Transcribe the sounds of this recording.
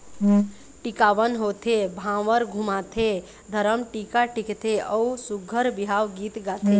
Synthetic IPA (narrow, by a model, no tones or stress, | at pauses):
ʈikaʋənɦot̪ʰebʱãʋəɾɡʱumat̪ʰe | d̪ʱəɾəmʈikaʈikt̪ʰeəusuɡʱəɾbiɦaʋɡit̪ɡat̪ʰe